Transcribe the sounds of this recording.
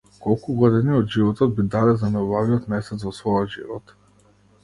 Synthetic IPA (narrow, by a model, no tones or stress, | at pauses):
kɔlˠkuɡɔd̪iniɔd̪ʒivɔt̪ɔd̪̚bid̪alɛzanɛubaviɔt̪mɛsɛt̪vɔsvɔjɔd̪ʒḭvɔt̪